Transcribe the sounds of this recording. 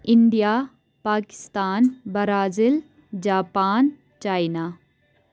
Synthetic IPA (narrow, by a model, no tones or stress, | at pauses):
ɪnɖijaː | paːkɪ̥st̪aːnbɐɾaːzɪl | d͡ʒaːpaːn | t͡ʃaːinaː